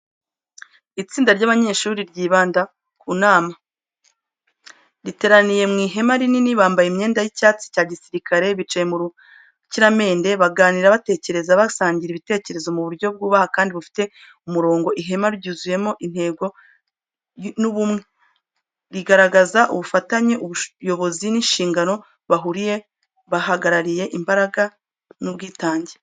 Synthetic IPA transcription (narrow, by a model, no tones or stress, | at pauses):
it͡siːndaɾɟaβaɲe̞ːʃuɾiɾɟiːβaːnda | kuːnaːma | ɾite̞ɾanije̞mŋiːɦe̞maɾininiβaːmbajeimɲe̞ːndajicaːt͡si̥caːɟisiɾikaɾe̞βit͡ʃajemuɾu | ciɾame̞ːnde̞βaɡaːniɾaβate̞ːce̞ɾe̞zaβasaːɲɟiɾiβite̞ːce̞ɾe̞zo̞muβuɾɟo̞b̚ɡuːβahakaːndiβufi̥te̞ | umuɾo̞ːŋɡo̞ʔiɦemaɾuɟuːzuje̞mo̞ʔin̥he̞ːɡo̞ | nuβumŋe | ɾiɡaɾaɡazaʔuβufataɲeʔuβujo̞βo̞zininʃiːŋɡano̞ | βaɦuɾije̞ | βahaɡaɾaɾije̞ʔimbaɾaɡa | nuβɡiːtaːɲɟe